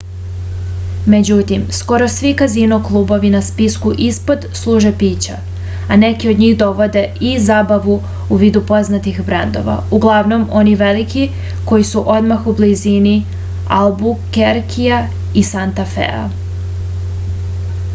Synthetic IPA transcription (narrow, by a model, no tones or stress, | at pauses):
me̞d͡ʑut̪imsko̞ɾo̞sʋikazinuklˠuːbo̞ʋinaspiskuʔispo̞d̪slˠuːʒepiːt͡ɕa̰ | ane̞kiod̪ɲiːɣd̪o̞ʋo̞d̪e̞izaːbaʋu | uʋiːd̪upo̞znat̪ixbɾend̪o̞̰ʋa̰uɡlˠaʋno̞mo̞niʋe̞liki | ko̞jisuʔo̞d̪maxublizini | albukeɾkija | isant̪afḛa̰